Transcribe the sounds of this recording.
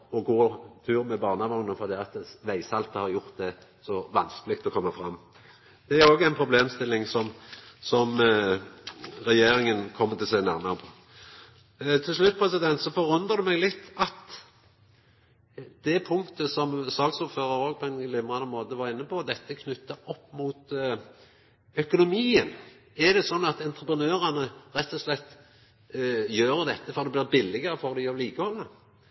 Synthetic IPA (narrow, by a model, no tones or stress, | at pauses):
ɔɡoːt̪ʰʉːʁmɛbɑːʁnɑmʊŋnəfɔʁd̪ɛɑt̪ʋæɪsɑlt̪əhɑʁjʊʁt̪̚d̪ɛ | sɔʋɑnskəlɪk̚t̪ɔkʰɔmːəfʁɑmː | d̪̥ɛæɾoːɡəæɪnpʰʁʊbleːmst̪ɪlːɪŋsɔmsɔm | ʁɛjeːɾɪŋənkʰɔmːət̪ɪlsæɡnæʁmɑʁəpʰɔ̥ | t̪ʰɪlslʉt̪̚ːpʰʁɛsɪd̪ɛnt̪sɔfɔʁʉnd̪ʁəd̪ʉmɛɡlɪt̪ʰːɑt̪ | d̪̥ɛpʰʊŋt̪əsɔmsɑːɡsʊːɾføːʁəɾoːɡ̚pʰɔɛɪnɡlɪmʁɑnənmoːt̪əʋɑʁɪnːəpɔd̪ɛt̪ːəkʰnʉt̪ːəɔpːmuːt̪ | œkʊnʊmiːən | æd̪ɛsɔnːɑt̪ɛnt̪ɾəpʁənøːʁɑnəɾɛt̪ːɔslɛt̪ː | jøːɾəd̪ɛt̪ːəfɔɾʁd̪ɛblɪːʁbɪlːɪɡəʁəfɔʁd̪ɪɔʋliːkəhɔlːə